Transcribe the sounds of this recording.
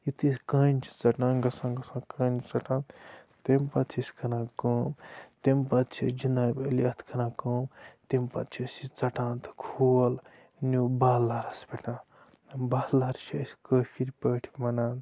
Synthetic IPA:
it̪ʰiskənt͡ʃʰi̥t͡sɐʈãːnɡɐsãːnɡɐsãkənt͡sɐʈãːnt̪ | t̪empɐtt͡ʃʰiskʰɐnãːkəːmt̪empɐt̪t͡ʃʰḭd͡ʒinaːbelɐt̪ʰkʰɐnãːkoːmt̪empɐ̰t͡ʃʰisit͡sɐʈãːnt̪kʰoːl | nubaːlːaɾɐspeʈnã | baːlːaɾt͡ʃʰiɐsʲkəːfʰiɾʲpəːʈʰimɐnaːnt̪

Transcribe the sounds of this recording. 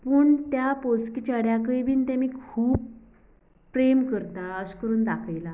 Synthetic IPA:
pəːɳt̪japoskit͡ɕəɽjakəjbʱiːnt̪amiːkʰuːpː | ɾemkəɾt̪aəskəɾuːnd̪akʰajla

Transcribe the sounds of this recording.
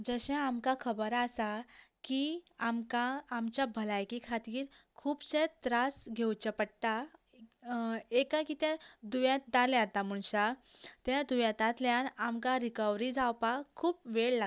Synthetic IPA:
d͡zəɕɛ̃amkãkʰəbəɾasakiamkãːmt͡ɕjabʱəlajkikʰat̪iːɾkʰuːbɕẽt̪ɾasɡʱewt͡ɕəpəɽt̪a | ekãkit̪ɛ̃d̪uʋjãt̪̚d̪alɛ̃at̪am̤uɳɕat̪jad̪uʋjãt̪ãt̪ljãnamkãɾikəʋɾid͡zawpakʰuːpʋeɭla

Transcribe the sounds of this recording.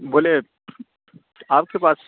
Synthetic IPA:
boːle | aːp̚kepaːs

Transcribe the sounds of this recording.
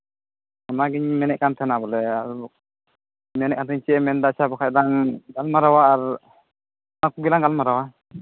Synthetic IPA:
ɔnaɡiɲmɛnɛʔ̚kant̪ʰɛnabɔlɛaɾu | mɛnɛʔkant̪ʰɛɲt͡ʃiɛmɛnd̪asabɔkʰadaŋɡalmaɾawaːɹ | nakuɡilaŋɡalmaɾawa

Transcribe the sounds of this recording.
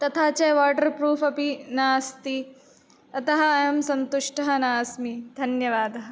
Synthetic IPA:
t̪ɐt̪ʰaːt͡ʃɐjʋaːʈɐɾpɾuːfʰɐpinaːst̪i | ɐt̪ɐɦɐːjɐmsɐnt̪uʂʈɐɦɐnaːsmid̪ʱɐnjɐʋaːd̪ʱɐɦɐ̆

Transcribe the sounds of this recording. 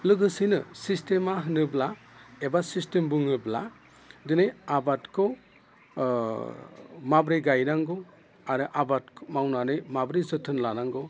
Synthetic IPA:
lɯɡɯsinɯsistemaɦɯnɯblaebasistembuŋɯbla̰ | dɯnejabatkʰɔ | mabɾijɡajnaŋɡɯ | aɾɯʔabatkʰmawnanɯjmabɾizɯtʰɯnlanaŋɡɯ

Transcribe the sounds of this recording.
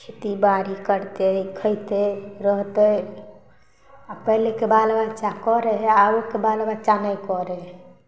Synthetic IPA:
t͡ʃʰit̪ibaɾikəɾt̪ekʰəjt̪eɾəɦt̪ə | apəɦlekebalbat͡ʃakɔɾeɦaokebalbat͡ʃanəjkɔɾeɦ

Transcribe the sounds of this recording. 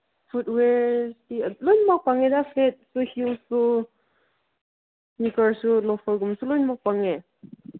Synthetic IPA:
futwɛɹstilɔjnmak̚paŋɛdafʰlet̚suhilsu | nikaɹsulɔfʰɔɹɡɔmsulɔjnmak̚paŋɛ

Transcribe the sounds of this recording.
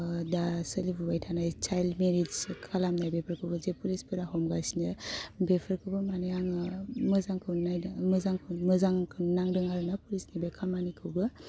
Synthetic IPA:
dasəlibubajtʰanajt͡ʃajlmeɾizkʰalamnajbepʰəɾkʰɯwbɯzepulispʰɯɾaɦɔmɡasinɯbepʰəɾkʰɯbɯmanejaŋməzaŋkʰɯnnajməzaŋkʰɯməzaŋkʰɯnnaŋdɯŋaɾnapulisnibekʰamanikʰɯwbɯ

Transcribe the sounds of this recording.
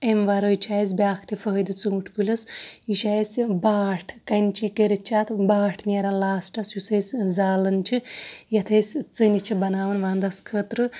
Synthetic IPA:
emʋaɾojt͡ʃʰaːjis̬bʲjaːkʰt̪ʰifʰəɦɐd̪ɨt͡sɨuʈʰpulʲɐsjuʃajsbaːʈʰkɐnt͡ʃʰikeɾʲit̚t͡ʃʰaːt̪ʰbaːʈʰnʲeɾɐnlaːsʈɐsjusɐjsʲzaːlɐnt͡ʃʰijɐt̪ʰɐjsʲt͡sɨnit͡ʃʰibɐnaːʋɐnʋaːnd̪ɐskʰət̪ɾɨ

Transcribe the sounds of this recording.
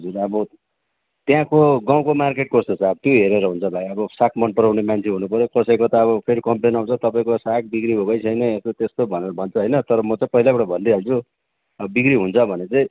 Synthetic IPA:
ʌd͡zurʌbʌ | t̪jãkoɡãw̃komarkeʈ̚korsʌt͡sʰaʌbʌt̪joɦeɾeɾʌɦunt͡sʰʌbʱajʌbʌsak̚mʌnpʌɾawnemant͡sʰeɦunupʌɾjokʌsʌjkot̪ʌːβʌpʰeɾikʌmplenaw̃t͡sʰʌt̪ʌpaĩkosak̚bikɾibʱokʌjt͡sʰʌjnʌest̪ot̪est̪obʱʌneɾʌbʱʌnt͡sʰʌɦʌjnʌt̪ʌɾʌmʌt͡saĩpʌɦilabaʈabʱʌnd̪iɦalt͡sʰu | ʌʌbikɾiɦunt͡sʰʌbʱʌnet͡saĩ

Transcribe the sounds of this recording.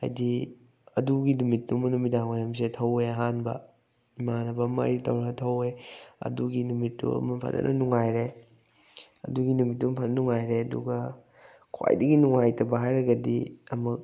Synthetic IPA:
ha̰jdi | ɐduɡinumit̚ːumɐnumidaŋmaɾɐms̬etʰɐweɦanbɐ̰ | imanɐbɐmɐ̰jditʰɐwɾatʰɐweɐ̰duɡinumitːṵɐ̰mɐpʰɐ̰tnɐ̰nʔɐnuŋajɾe | ɐ̰duɡinumit̬ːumpʰɐnɐnuŋajɾeɐdṵɡɐ | kʰwa̰jdɐɡinuŋajtʰɐbɐɦajɾɐɡɐdiɐmɐk̚

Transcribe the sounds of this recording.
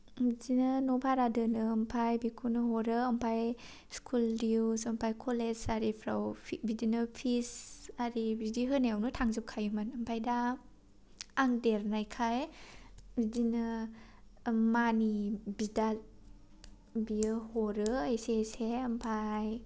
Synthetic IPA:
bizinɯnopʰaɾadɯnɯːmpʰajbikʰunɯɦɔɾɯːmpʰaj | skʰuldiwsɐmpʰajkʰoled͡ʒaɾipʰɾa̰wpʰbidinɯpʰisaɾibidiɦɯnajawnɯtʰaŋzɯp̚kʰajumɯnɐmpʰajda | ŋdeɾnajkʰaj | bidinɯ | manibidat̚ | biɯhɔɾɯeseseɐmpʰaj

